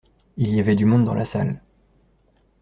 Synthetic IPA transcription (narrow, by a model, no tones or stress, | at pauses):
iljavɛd̪ymɔ̃d̪d̪ɑ̃lasa̰l